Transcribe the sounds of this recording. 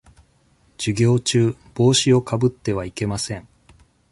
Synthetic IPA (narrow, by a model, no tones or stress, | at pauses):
d͡ʑ̥iɡʲo̞ːt͡ɕɨːb̥o̞ːɕio̞kabɯ̟t̪ːe̞β̞aike̞masẽ̞ŋ